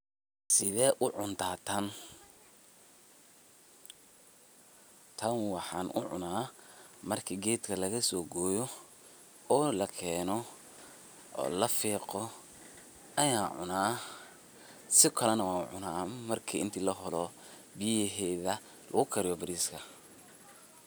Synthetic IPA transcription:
sɪðɛːʔʊʕʊnt̪ʰaːt̪ʰɐn | t̪ʰɐnwɑħɑːnʔʊ̰ʕʊ̰naːmɐrkʰiːɡɛːd̪kʰɐlɐɣɐsɔːɡɔːjɔ | ɔːlɐkʰɛːnɔ | ʔɔ̰ːlɐfiːqɔ | ɐjaːʕʊ̰naː | sɪkʰɐlɛnɐwaːʕʊ̰naːmɐrkʰiːʔɪnt̪ʰiːlɐɦɔlɔ | bɪjɪɦɛːðɐ | lʔɐ̰ɣʊkʰɐɾɪjɔbɪɾiːskʰɐ

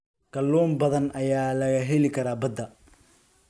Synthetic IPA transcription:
ɡ̥ɐlːɔːmbɐðɐnʔɐjaːlɐɣɐɦɛlɪkʰɐɾaːbɐd̪ɐ

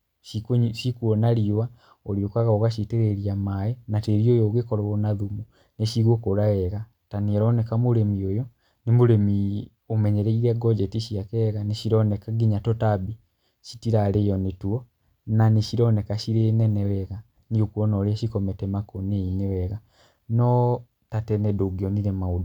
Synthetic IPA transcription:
ʃikʃikuɔnaɾiwa | oɾiokaɣaoɣaʃiteɾeɾiamajenateɾiojoɣekɔɾɔonaðumu | neʃiɣokoɾaɛɣa | tanieɾɔnekamoɾemiojɔ | nimoɾemi | omɛɲɛɾeiɾɛɡɔd͡ʒɛtiʃiakɛɣaneʃiɾɔnɛkaɡiɲatɔtabi | ʃi̥tiɾalejɔnetuɔ | naniʃiɾɔnɛkaʃiɾenɛnɛwɛɣa | niokuɔnɔɾeaʃikɔmɛtɛmakoneinewɛɣa | nɔ | tatɛnɛdoɡiɔniɾɛmaodu

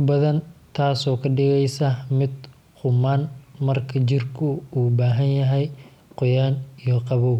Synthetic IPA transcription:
bɐðɐnt̪ʰaːsɔːkʰɐɖɪɣɛjsɐmɪd̪ | hʊmaːnmɐrkʰɐt͡ʃɪrkʰʊuːbaːɦɐnjɐɦɛj | qɔjaːnijɔqɑβɔw

